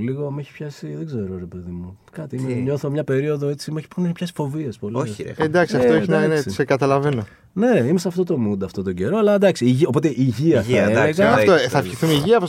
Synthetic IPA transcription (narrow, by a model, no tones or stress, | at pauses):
liɣo̞mueçi̥pçɐsiðeɡze̞ɾoɾe̞pe̞ðimu | kɐt̪iimeɲo̞θomɲɐpe̞ɾio̞ðo̞e̞t͡simeçi̥pneçipçɐsi̥fo̞vie̞spolioç̰ed̪ɐksiɐfteoeçinɐnessekɐt̪ɐlɐve̞no̞ | ne̞imesɐft̪o̞t̪o̞mund̪ɐft̪ot̪̬oɟe̞ɾo̞ɐlɐd̪ɐksiʝio̞po̞t̪e̞ʔiʝiɐθeeɣɐfoθɐiθumiʝiɐpo